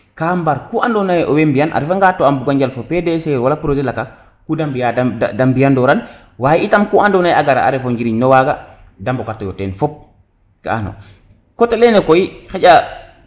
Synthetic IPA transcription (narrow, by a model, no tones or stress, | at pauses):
kambaɾkuʔandɔnajʔo̰wembijana̰ɾfaŋɡatːoambuɡaɲd͡ʒalfopɛdɛsewalapɾod͡ʒɛlakas | kudambijadaadambijandɔɾan | wajiitamkuandɔnajaɡaɾa̰a̰ɾɛfoɲɡiɾiɲnɔwaɡa | dambɔkatːɔjɔtɛnfɔp̚ | kaa̰no̰ | kɔtalɛnɛkoixɛɟa